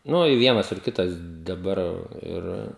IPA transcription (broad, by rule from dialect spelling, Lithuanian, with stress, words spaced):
ˈnʊ ɪ ˈʋʲiɛnɐs ɪr ˈkʲɪtɐs dɐˈbɐr ˈɪr